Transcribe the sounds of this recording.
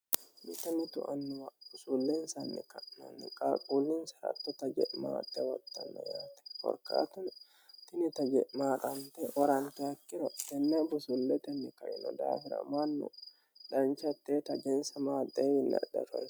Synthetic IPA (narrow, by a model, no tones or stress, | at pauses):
mɪt̪ːɐmɪt̪ʊʔɐnːʊwɐb̥ʊsuːlːensɐnːɪ̰kɐnɐ̰nːɪkʼaːkʼuːlːinsɐɾɐ̰t̪ːɔt̪ɐd͡ʒɛʔma̰ːt̪ːɛwɐt̪ːɐnːɐ̰jaːt̪ɛ̥fɔ̰ɾka̰ːt̪ɐn | t̪ɪnɪt̪ɐd͡ʒɛʔmaːt̪ʼɐnt̪ɛʔɔɾɐnt̪ɛɐkːɪɾɐt̪ɛnːabʊsulːɛt̪ɛnːɪkɐʔɪnɔd̪a̰ːfɪɾɐ̰manːʊ̰ | ᶑɐnt͡ʃɐt̪ːeːt̪ɐd͡ʒɛnsɐmaːd̪ʼeːjɪnːɐ̰ᶑɐ̰fɐ